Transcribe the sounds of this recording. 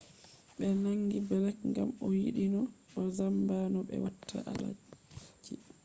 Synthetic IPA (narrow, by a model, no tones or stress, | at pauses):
ɓɛnaŋːɡibɛlɛkŋɡamɔjḭɗinɔɗɔzambanɔɓɛ̰watʰːa̰ʔala̰d͡ʒi